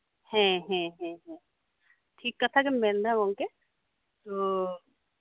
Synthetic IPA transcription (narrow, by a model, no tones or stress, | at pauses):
hɛ̃ɦɛ̃ɦɛ̃ɦɛ̃ | ʈʰiːkːət̪ʰakemend̪ʱamoŋke | t̪oː